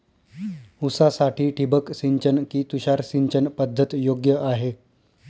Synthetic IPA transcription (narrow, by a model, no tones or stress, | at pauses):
usasaʈʰiːʈʰibəksiɲt͡ɕənkiːt̪uɕaɾsiɲt͡ɕənpəd̪ʱːət̪joɡjəʔaɦe